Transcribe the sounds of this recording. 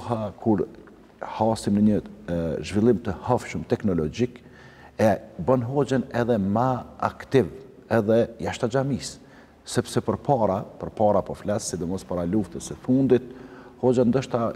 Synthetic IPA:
ɦakʰuɾ | hasimnəɲəʒvilˠimt̪əhɔfʃəmt̪ɛknɔlɔd͡ʒik | ɛbənɦɔd͡ʒɛnɛðɛmaa̰kt̪iv | ɛðɛjaʃt̪ad͡ʒamis | sɛpsɛpəɾpʰaɾapəɾpaɾapɔflasːid̪ɔmɔspaɾaluft̪əsəfund̪it̪̚hɔd͡ʒənd̪əʃt̪a

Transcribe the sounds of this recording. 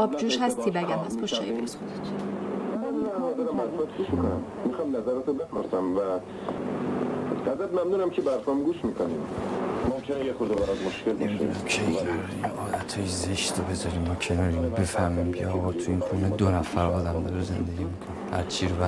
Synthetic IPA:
ɒːb̚d͡ʒuːʃhæst̪ʰiːbæɡʲæmhæst̪poʃɒjebeɾisoet̪ʰmænæzæzæɾæmæt̪bæt̪ɡuːʃmikonæm | mixɒjmnæzæɾɛt̪obefoɾsæmvæ | æzɾæt̪mæmnuːnæmcʰebæɾfɔmɡuːʃmiːkʰonimmomkʰenejexoɾd̪ebæɾɒd̪moʃkʰeld̪ʃd̪nmkʰeæɾ | inʔɒːd̪æt̪ʰhɒːjezeʃt̪obe̞zɒɾiːmːɒcʰe̞nɒːɾiːmbe̞fæhmiːmcʰḛɒːɣɒt̪ʰuiːnxuned̪onæfæɾɒːd̪æmd̪ɒɾeze̞nd̪eɡʲiːmikʰonihæ̰ɾt͡ʃʰiɾobæ

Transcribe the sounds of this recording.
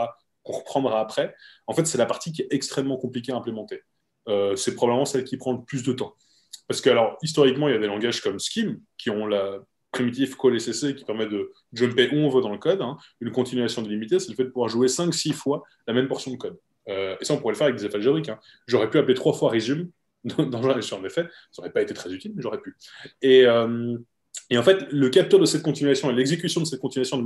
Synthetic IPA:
a | kɔ̃ʁəpχɑ̃d̪ʁaːpχɛɑ̃fɛt̪sɛlapaʁt̪ik̬ʲiɛtɛkst̪χɛmːɑ̃kɔ̃plikʲeaɛ̃plemɑ̃t̪e | øsɛpχɔbabləmɑ̃sɛlkʲipχɑ̃ləplys̬d̪ət̪ɑ̃ | paʁsə̥kəalɔʁist̪ɔʁikmɑ̃iljad̪elɑ̃ɡaʒkɔmskʲimkʲiɔ̃la | pχimit̪̬ifkɔlesesekʲi̥pɛʁmɛd̪ə | ʒɔmpeʔuɔ̃vød̪ɑ̃ləkɔd̪ɛ̃ynkɔ̃t̪inɥasjɔ̃d̪elimit̪esɛləfɛd̪əpuvwaʁʒuesɛ̃ksifwa | lamɛmpɔʁsjɔ̃d̪əkɔd̪ | øesaɔ̃puʁɛləfɛʁavɛk̚d̪ezefalʒeʁikɛ̃ | ʒɔʁɛpyaplet̪χwafwaʁezym | d̪ɑ̃d̪ɑ̃ʒɛ̃syʁɛ̃nefɛ | so̰ʁɛpaet̪et̪χɛzyt̪ilmɛʒɔʁɛpyeøm | eɑ̃fɛt̪ləkap̚t̪œʁd̪əsɛt̪̚kɔ̃t̪inɥasjɔ̃elɛɡzekʲysjɔ̃d̪əsɛt̪̚kɔ̃t̪inyasjɔ̃d̪ə

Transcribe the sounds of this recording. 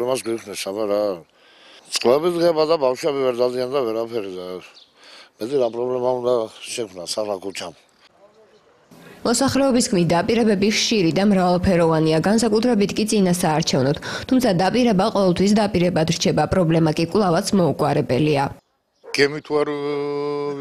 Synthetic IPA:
lɛmasɡwikʰnɛsabaɾa | sʼqʼlɛbid̪ɡɛbad̪abafʃwɛbivɛɾd̪ad̪iand̪avɛɾapʰɛɾid̪a | mɛt̪ʼiɾapʼɾɔblɛmaund̪aʃɛkʰmnasaχlakʰut͡ʃʰam | mɔsaχɾɛɔbiskʰmit̪̚d̪apʼiɾɛbɛbiχʃiɾid̪amɾavalˠpʰɛɾɔvaniaɡansakʼut̪ʰɾɛbit̪ʰkʼit̪sʼinasaːɾt͡ʃʰɛvnɔt̪ʰt̪ʰumt̪sʰad̪apʼiɾɛbaqʼɔvɛlˠt̪ʰwis̬d̪apʼiɾɛbad̪ɾt͡ʃʰɛbapʼɾɔblɛmakʼikʼlˠavat̪sʰmɔukʼwaɾɛbɛlia | ɡ̥ɛmit̪ʰuaɾ

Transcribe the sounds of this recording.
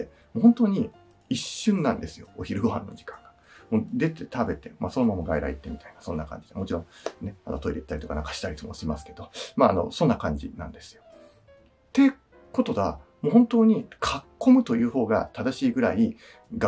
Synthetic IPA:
e | moːɦont̪oːɲ̟i | iɕːɨ̃nːãnd̪e̞sɨjo̞̰oçiɾɯ̟ɡo̞ɦã̰nːo̞d͡ʑi̥kḁ̃ŋɡḁ | moːd̪e̞t̪e̞t̪abe̞t̪e̞ma̰so̞nomamaɡaiɾa̰ḭt̪ːe̞mʲit̪ainasõ̞nːakã̰ɲd͡ʑid̪emo̞t͡ɕiɾõ̞ne̞a̰no̞t̪o̞iɾeit̪ːaɾʲit̪o̞kanaŋkaɕi̥t̪aɾʲit̪omoɕimasɨ̥ke̞d̪o̞maːno̞̰sõ̞nːakãɲ̟d͡ʑḭnã̰nd̪e̞sɨ̥jo̞ | t̪e̞ | ko̞t̪o̞ɡamoːɦont̪o̞ːɲ̟ikʰakʰːo̞mɯ̟t̪o̞jɯ̟ːho̞ːɡa̰t̪ad̪aɕiːɡɯ̟ɾai | ɡ

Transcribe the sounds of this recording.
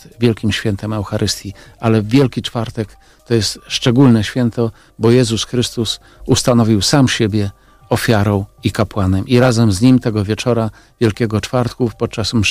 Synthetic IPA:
vʲjɛlkʲimɕfʲjɛnt̪ɛmɛwxaɾʔɘst̪ʲjialɛvʲjɛlkʲit͡ʂfaɾt̪ɛk | t̪ɔjɛst̪ʂt͡ʂɛɡulnɛɕfʲjɛnt̪ɔ | bɔjɛzusxɾɘst̪us | ust̪anɔvʲiwsamɕebʲjɛ | ɔfʲjaɾɔ̃w̃ikapwanɛmʔiɾazɛmzɲimt̪ɛɡɔvʲjɛt͡ʂɔɾa | vʲjɛlkʲɛɡɔt͡ʂfaɾt̪kupɔt̪̚t͡ʂasm

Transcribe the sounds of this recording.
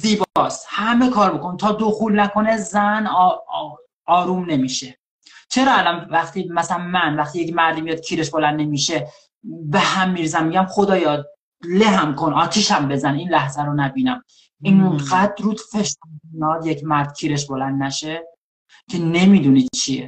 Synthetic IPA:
ziːbɒːshæme̞kʰɒːɾbokonit̪ʰɒːd̪oxuːlnækʰo̞nezæn | ɒːɾuːmne̞miʃe | t͡ʃʰe̞ɾɒːælɒnvæxt̪iːmæsælænmænvæxt̪ijecmæɾd̪imijɒːd̪̥̚kcʰiːɾeʃbolænd̪nemiːʃe | behæmːiːɾzæmːiɟæmxod̪ɒːjɒː | leɦæmkʰonʔɒːt̪ʰiʃæmbe̞zæniːnlæhzæɾonæbiːnæm | iːnɢæd̪ɾuːd̪fe̞ʃt̪ænːd̪jecʰmæɾd̪̥cʰiːɾe̞ʃ̬bolænd̪næʃe | cʰe̞ne̞miːd̪unid̪t͡ʃʰiḛ

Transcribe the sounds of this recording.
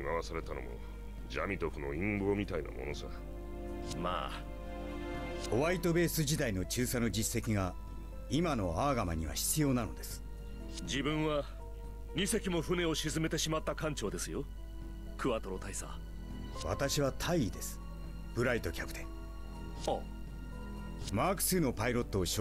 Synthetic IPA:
imaβasaɾe̞t̪ano̞̰mo̞̰ | d͡ʑa̰mʲit̪oɸɯ̟no̞̰ĩmboːmʲit̪aina̰mo̞̰nosa | ma̰ː | o̞βait̪o̞be̞ːsɨʑid̪aino̞t͡ɕɨːsano̞d͡ʑisːe̞kʲiɡa | imano̞aːɡamaɲ̟iβa̰çi̥t͡sɨjo̞ːnano̞̰d̪e̞sɨ̥ | d͡ʑibɯ̟̃ɰ̃βa | ɲ̟ise̞kʲimo̞ɸɯ̟ne̞o̞ɕizɨme̞t̪e̞ɕimat̪ːakãɲt͡ɕo̞ːd̪e̞sɨjo | kɯβat̪o̞ɾot̪aisa̰ | βa̰t̪aɕiβ̞at̪ʰaiid̪e̞sɨ̥ | b̥ɯ̟ɾait̪o̞kʲʰapɯ̥t̪ʰḛ̃ŋ | so | maːkɯ̟̥sɨno̞paiɾo̞t̪ːo̞ːɕ

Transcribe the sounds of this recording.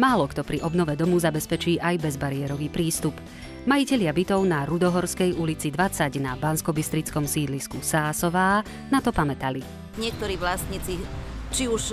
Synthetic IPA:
maːlɔkt̪ɔpɾiʔɔbnɔʋɛd̪ɔmuzabɛspɛt͡ʃiːʔajbɛzbaɾɪɛɾɔʋiːpɾiːst̪up | majicɛʎɪabit̪ɔʊnaɾud̪ɔɦɔɾskɛjulit͡sid̪ʋat͡saɟnabanskɔbist̪ɾit͡skɔmsiːd̪liskusaːsɔʋaː | nat̪ɔpamɛt̪ali | ɲɪɛk̚t̪ɔɾiːʋlasɲit͡sit͡ʃiuʃ

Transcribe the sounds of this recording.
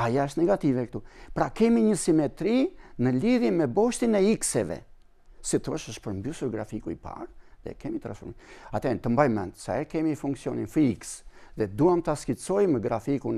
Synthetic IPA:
ajaəʃ̬t̪nɛɡat̪ivɛk̚t̪upɾakɛmiɲəsimɛt̪ɾinəliðjɛnmɛbɔʃt̪inɛiksɛvɛ̰ | sit̪ɔʃəʃpəɾmbysuɾɡɾa̰fikuipa̰ɾðɛ̰kɛmit̪ɾã̰nsfɔ̰ɾmiat̪ɛnt̪əmbajmɛ̰nd̪sa̰ɛɾkɛmifuŋksiɔninfiiksðɛd̪uamt̪askisɔjməɡɾafikun

